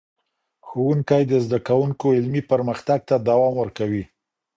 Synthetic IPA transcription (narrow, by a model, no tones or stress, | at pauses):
xowuŋkajd̪əzd̪akawuŋkoɪlmipəɾməxt̪aɡ̚t̪ad̪awɑmwəɾkawi